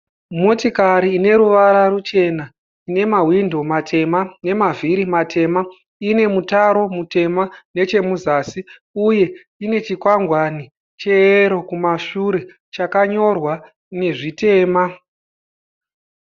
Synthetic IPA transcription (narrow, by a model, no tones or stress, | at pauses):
mo̞tikaɾiːne̞ɾuʋaɾarut͡ʃe̞na | ine̞mawindʱo̞matʰe̞mane̞mavʱiɾimatʰe̞ma | ine̞mutaɾo̞mute̞mane̞t͡ʃe̞muzaːsi | uje̞ | ine̞t͡ʃikwaŋɡwani | t͡ʃe̞ɾo̞kumaʃuɾe̞ | t͡ʃakaɲo̞rwa | ne̞ʐite̞ːma